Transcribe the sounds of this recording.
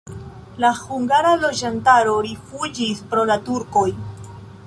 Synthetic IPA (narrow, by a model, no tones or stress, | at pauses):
lahuŋɡaɾalo̞d͡ʒantaɾo̞ɾifud͡ʒispɾo̞latuɾko̞j